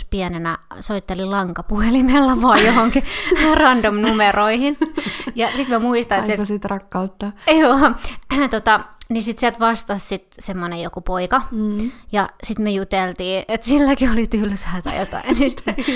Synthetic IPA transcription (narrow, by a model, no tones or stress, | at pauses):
spiɛnenæ̰soit̪ːelilɑŋkɑpuhelimelːɑʋoɑˑjjohoŋkirɑndomnumeroihinjɑsit̪mæmuist̪ɑetselsit̪rɑkːɑut̪ːɑjoːt̪ot̪ɑnisit̪siælt̪ʋɑst̪ɑssit̪semːonejokupoikɑjɑsit̪myøjut̪elt̪iːʔet̪silːækiolit̪ylsæːt̪æ̰jot̪ɑ̰innisi̥t̪ːe